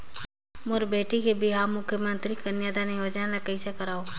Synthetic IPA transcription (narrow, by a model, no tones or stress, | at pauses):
moɾbeːʈikebʱiɦaːmʊkʰːjəmə̃nt̪ɾikənjaːd̪aniʋod͡ʒnãlakəɪsekəɾaːo